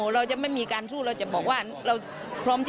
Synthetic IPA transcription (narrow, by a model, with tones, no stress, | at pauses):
ɾa˧wt͡ɕa˨˩ma˥˩jmiː˧kaː˧nsuː˥˩ɾa˧wt͡ɕa˨˩bɔː˨˩k̚waː˥˩ | ɾa˧w | pʰɾɔː˦˥mt͡ɕ